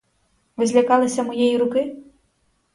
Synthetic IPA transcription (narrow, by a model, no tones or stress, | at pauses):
ʋɪzʲlʲɐkɑlˠɪsʲɐmɔjɛjiɾʊkɪ